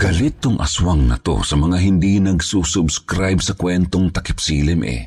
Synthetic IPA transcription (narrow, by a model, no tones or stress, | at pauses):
ɡ̥ɐlɪt̪ːʊŋʔɐ̰swaŋnɐ̰t̪o̰sɐmɐŋaɦɪnd̪inɐɡsusʊbskɾajbsɐkwɛnt̪oŋt̪ɐkɪp̚siːlɪmʔɛ̰